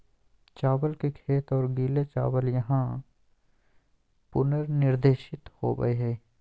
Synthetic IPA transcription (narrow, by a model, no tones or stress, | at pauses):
t͡ʃaːwəlkekʰeːt̪ɔːɾɡiːlet͡ʃa̰ːwəljɐɦã | pʊnəɾnɪɾd̪eːʃɪt̪ho̰ːɡə̰eɦɛː